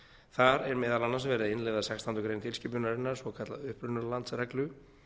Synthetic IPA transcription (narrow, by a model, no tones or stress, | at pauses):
θaɾɛɾmɛːðalanːansvɛːɾɪðaɪnlɛjðasɛkst̪ʰant̪ʏkɾejnt̪ʰɪlscɪpʏnaɾɪnːaɾ̥svɔkʰat̪laðʏhpɾʏnaɾlant̪srɛklʏ